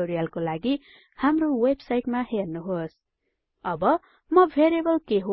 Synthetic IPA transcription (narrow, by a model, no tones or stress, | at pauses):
oɾijʌlkolaɡi | hamrowebsajʈmahernuɦos | ʌbʌ | mʌbʱeɾebʌlkeɦo